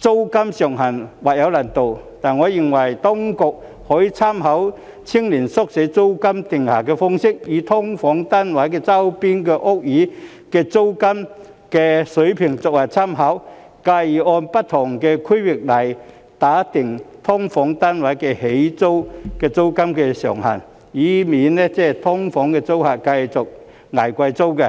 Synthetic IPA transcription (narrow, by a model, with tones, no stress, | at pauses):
t͡so˥wkɐ˥msjɔ˨˩ŋɦɐ˨˩nwa˨˩ja˨˧˥wla˨˩nt̪o˨˧w | t̪aː˨˩nŋɔ˨˦ji˧ŋwɐ˨˩jt̪ɔ˥ŋkʊ˨˩k̚ | hɔː˨˥ji˧t͡sʰa˥mɦɐ˨˦˥w | t͡sʰi˥ŋli˨˩nsɔ˥k̚se˨˥t͡so˥wka˥mt̪ɪ˨˩ŋhaː˨˩kɛ˧fɔ˥ŋsɪ˥k̚jiː˨˧˦t̪ʰɔ˥ŋfɔ˨˥ŋt̪a˥nwa˨˥jkɛː˧t͡sa˥wpi˥nkɛ˧ʔʊ˥k̚jiː˨˥ | kɛ˧t͡so˥wkɐ˥m | kɛ˧sɵ˨˥jpʰi˨˩ŋt͡sʊ˨k̚a˨˩t͡sʰa˥mɦɐ˨˥w | ka˧jɔ˧npɐ˥t̚t̪ʰɔ˨˩ŋkɛ˧kʰi˥jwɪ˨˩k̚lɐ˨˩j | t̪aː˨˥t̪ɪ˨˩ŋt̪ʰɔ˥ŋfɔː˨˥ŋt̪a˥nwa˨˧˥jkɛ˧he˨˦jt͡so˥wkɛː˧t͡so˥wkɐ˥mkɛ˧sɔ̰ː˨˩ŋha̰˨˩n | iː˨˦miː˨˥nnɛ˦t͡sɛː˥˨t̪ʰɔ˥ŋfɔ˨˥ŋkɛ˧t͡so˥wha˨t̚ka˧jt͡sʊ˨˩k̚ | ŋa˨˩jkʷa˧jt͡so˥wkɛ˧˩